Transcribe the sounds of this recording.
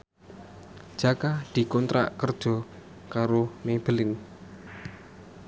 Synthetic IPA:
d̥ʒ̥a̤kad̪̥i̤kɔnt̪ɾa̰ʔkərd̥ʒ̥ɔ̤ | kaɾomeb̥əlɪn

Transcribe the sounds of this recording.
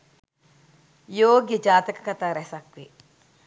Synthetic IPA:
joːɡjəd͡ʒaːt̪ɐkɐ̥kɐt̪aːɾɛsɐkʋe

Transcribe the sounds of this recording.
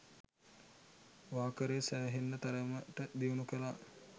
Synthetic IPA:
ʋaːkəɾesæːɦenːət̪aɾəməʈəd̪iunukəla

